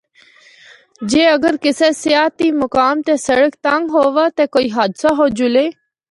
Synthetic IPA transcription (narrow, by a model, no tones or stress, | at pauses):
d͡ʒeːəɡəɾkɪseːsɪjaːt̪iːmʊkaːmt̪eːsəɽəkt̪ãŋɡɦoːʋaːt̪eːkoːiːɦaːd̪saɦoːd͡ʒʊleː